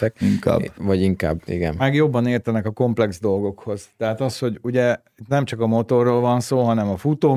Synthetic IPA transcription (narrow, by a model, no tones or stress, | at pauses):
ɛiŋka̰ːbvɒɟiŋka̰ːbḭɡɛ̰nɛɡjobːɒneːrt̪ɛnɛkɒko̞mplɛɡzd̪o̞lɡo̞kho̞z̥t̪ɛɦat̪ɒsho̞ɟuɟɛ | it̪nɛmt͡ʃɒkɒmo̞t̪o̞rːolvɒnsoːɦɒnɛmɒfut̪oː